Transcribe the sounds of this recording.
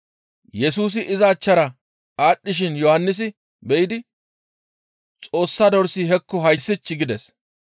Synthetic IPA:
jɛsuːs̬ɪʔɪzɐːt͡ʃːɐɾɐ | aːɗːɪʃ̬ɪnjɔhanːɪs̬ɪ | bɛjɪd̪ɪ | t͡sʼo̞ːsːɐd̪ɔɾsiːɦɛkːɔɦɐjsːɪt͡ʃːɪɡɪd̪ɛs

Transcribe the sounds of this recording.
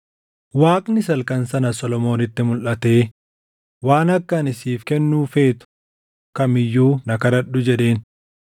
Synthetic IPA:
waːkʼnɪsɐlkɐnsɐnɐsɔlɔmo̞ːnɪt̪ːɪmʊlʔɐt̪e̞ː | waːnɐkːɐnɪsiːfkɛnːuːfe̞ːt̪ʊ̥ | kɐmɪjːuːnɐkɐɾɐᶑʊd͡ʒɛᶑe̞ːn

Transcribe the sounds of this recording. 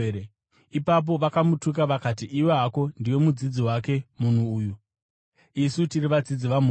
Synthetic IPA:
e | ipap̬o̞ʋakamutuk̬aʋakatiʔiweɦako̞ndiwe̞mud͡zid͡ziwake̞mun̤uːju | isutiriʋad͡zid͡ziʋam̤

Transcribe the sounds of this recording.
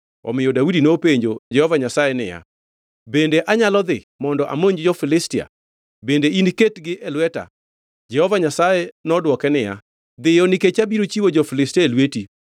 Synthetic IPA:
ɔ̰mɪjɔdawudinopeɲd͡ʒod͡ʒɛhɔvaɲasajenɪ̰ja̰ | bendeʔaɲalɔd̪ɪ | mɔndɔʔa̰moɲd͡ʒd͡ʒɔfɪlɪstɪa̰ | bendeiniketɡɪʔɛlwɛta̰ | d͡ʒɛhɔvaɲasajeɛnɔdwɔkɛnɪja̰ | d̪ɪjɔnɪket͡ʃabiɾot͡ʃiwod͡ʒɔfɪlɪstaelweti

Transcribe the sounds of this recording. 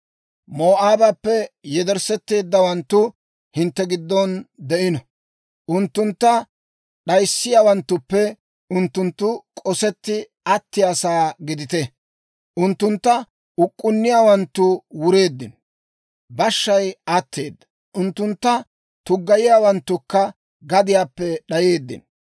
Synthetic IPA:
moːʔaːbɐpːɛjɛd̪ɛɾsɛt̪ːe̞ːd̪ːɐwɐnt̪ːʊ | hɪnt̪ːɛɡɪd̪ːɔnd̪ɛʔɪnɔ | ʔʊnt̪ːʊnt̪ːɐ | ɗɐjsːɪjaːwɐnt̪ːʊpːɛ | ʊnt̪ːʊnt̪ːʊkʼɔsɛt̪ːɪ | ɐt̪ːɪjasaːɡɪd̪ɪt̪ɛ | ʔʊnt̪ːʊnt̪ːɐ | ʊkʼːʊnːɪjaːwɐnt̪ːʊwʊɾe̞ːd̪ːɪn | bɐʃːɐjɐt̪ʰːe̞ːd̪ːɐ̥ | ʔʊnt̪ːʊnt̪ːɐ | t̪ʊɡːɐjɪjaːwɐnt̪ːʊkːɐ | ɡɐd̪ɪjaːpːɛɗɐje̞ːd̪ːɪ̰n

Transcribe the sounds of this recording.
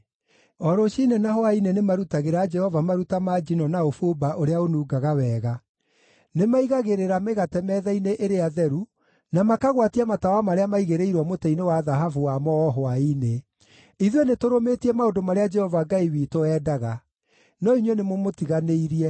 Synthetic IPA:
ɔɾoʃinenaɦoainenemaɾutaɣeɾaːd͡ʒɛhɔvamaɾutamad͡ʒinɔnaofobaʔoɾeaonuːɡaɣawɛːɣa | nemaiɣaɣeɾeɾameɣatɛmɛðaineʔeɾeaðɛɾu | namakaɣwatiamatawamaɾeamaiɣeɾeiɾwɔmotɛinewaðaɦafuwamɔɔɦoaine | iðwenetoɾometiɛmaodomaɾead͡ʒɛhɔvaɡaiwiːtoɛːdaɣa | nɔiɲwenemomotiɣaneiɾiɛ

